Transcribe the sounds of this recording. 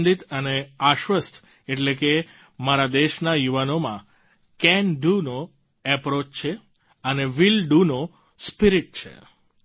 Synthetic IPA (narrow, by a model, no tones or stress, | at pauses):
nd̪it̪əneaʃʋəst̪ʰ | eʈleke | maɾad̪eʃnajuʋanomã | kɛnɖuno | ɛpɾot͡ʃt͡ʃʰe | əneʋilɖuno | spiɾiʈ̚t͡ʃʰḛ